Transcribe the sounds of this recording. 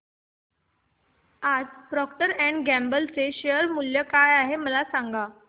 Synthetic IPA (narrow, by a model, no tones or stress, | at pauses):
ad͡zpɾɔkʈəɾɛ̃ɳɖɡæmbəlt͡seɕejəɾmuljəkajaɦeməlasaŋɡa